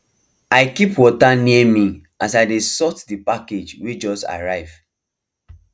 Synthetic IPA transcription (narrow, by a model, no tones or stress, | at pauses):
aɪkipwɔtaniɛmi | asaɪdesɔtdipaked͡ʒwed͡ʒɔsta̰ɹaɪv̥